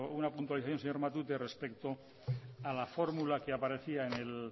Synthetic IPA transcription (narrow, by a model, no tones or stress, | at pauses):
unapunt̪waliθaθjo̞nseɲo̞ɾmat̪ut̪e̞re̞spe̞kt̪o̞ | alafo̞ɾmulakeapaɾe̞θiaene̞l